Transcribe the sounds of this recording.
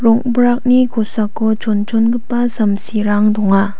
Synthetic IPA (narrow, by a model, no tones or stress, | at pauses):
ɾɔk̚bɾak̚nikʰɔsakːɔt͡ʃɔnt͡ʃɔnɡɯpːazɐmsiɾaŋdɔŋa